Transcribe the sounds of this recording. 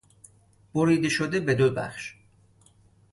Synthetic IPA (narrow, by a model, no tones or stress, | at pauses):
b̥oɾiːd̪eʃod̪ebed̪obæ̰χʃ